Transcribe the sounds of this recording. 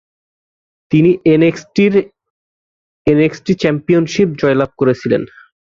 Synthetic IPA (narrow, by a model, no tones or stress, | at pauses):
t̪iniʔʈiɾ | eneksʈit͡ɕɛmpijonʃip̚d͡ʑɔelab̚koɾet͡ɕʰilḛn